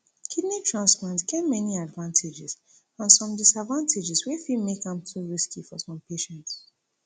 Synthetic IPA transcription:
kʰidnitʰɹãnsplãntɡ̥ɛtmɛniadvãntʰed͡ʒɪs | ãnsɔ̃mdisadvãntʰed͡ʒiswifimekãmtʰuɹiskifɔsɔ̃mpʰeʃɛ̃nts

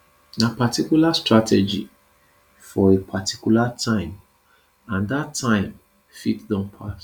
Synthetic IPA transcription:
napatʰikjulastɹatʰɛd͡ʒḭ | fɔepʰatʰi̥kulatʰãɪ̃m | ãndatʰːãɪ̃m | fitdɔ̃npʰas

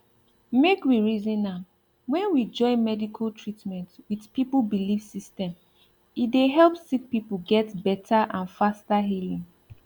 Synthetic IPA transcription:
mekwiɹizĩnːa | wɛ̃nwid͡ʒɔɪmɛdikʰaltʰɹitmɛ̃ntwið̥pipubilifsistɛ̃m | itdeɦɛlˠpsik̚pipuɡɛtbɛtʰaʔãnfastaɦilĩŋ

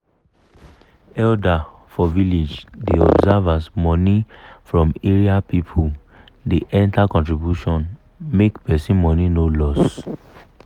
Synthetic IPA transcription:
ɛlda | fɔviled͡ʒdeɔ̰bzɛvasmɔnifɹɔ̃meɹiapipʰo | deʔɛ̃ntakɔ̃ntɹibjuʃɔ̃n | mekpɛsĩnmɔninolɔs

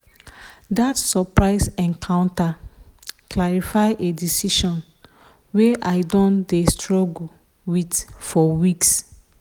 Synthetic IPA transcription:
datsɔpɹaɪsɛ̃ŋkʰãʊ̃nta | klaɹifaɪʔedisiʃɔ̃n | weʔaɪdɔ̃ndestɹɔɡul | witfɔwiks

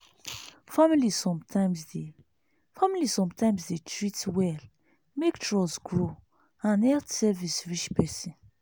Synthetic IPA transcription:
familisɔ̃mtʰãɪmsde | familisɔ̃mtʰãɪ̃msdetʰɹitwɛl | mektʰɹɔsɡɹo | ãnɛtsɛvisɹit͡ʃpɛsɛ̃n

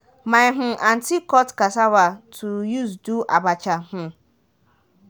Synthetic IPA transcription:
mãjɦʊ̃ʔantʰikɔtkasawatʰujuzduʔa̰bat͡ʃahʊ̃

